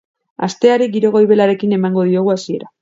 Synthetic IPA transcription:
a̰st̪e̞aɾiɡiɾo̞ɣ̞o̞jβe̞laɾe̞kine̞maŋɡo̞ð̞io̞ɣ̞uasie̞ɾa

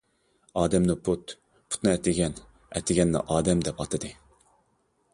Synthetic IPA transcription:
ɑːd̪ɛmnɨpʰut̪ | pʰu̥t̪nɨɛt̪ʰɪɡʲɛn | ɛ̰t̪ʰɪɡʲɛnːɨ̰ʔɑːd̪ɛmd̪ɛpɑt̪ʰɨd̪ɨ

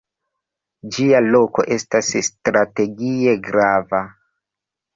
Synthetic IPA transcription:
d͡ʒialo̞ko̞ʔe̞stasstɾate̞ɡie̞ɡɾava

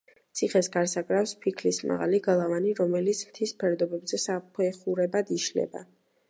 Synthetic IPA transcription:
t̪sʰiχɛsɡaɾsakʼɾafspʰikʰlisma̰ʁa̰liɡalˠavaniɾɔmɛlit̪sʰmt̪ʰispʰɛɾd̪ɔbɛbzɛsapʰɛχuɾɛbad̪iʃlɛ̰ba̰

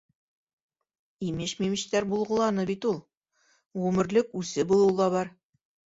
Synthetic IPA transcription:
imɘɕmimɘ̆ɕt̪æɾbulˠʁɤ̆lˠɑnɤbit̪ulˠ | ʁʉmɘ̆ɾlɘkʉsɘbulˠɤlˠd̪ɑβɑɾ

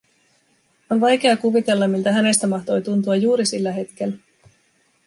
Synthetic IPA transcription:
o̞nʋɑjk̟e̞ɑkuʋit̪e̞lːɑmilt̪æɦæne̞st̪æmɑht̪o̞jt̪unt̪uɑjuːɾisilːæɦe̞t̪k̟elːæ

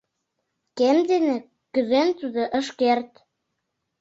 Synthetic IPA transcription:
kemd̪enĕ | kyzent̪ud̪ɤ̆ʔə̆ʃkert̪

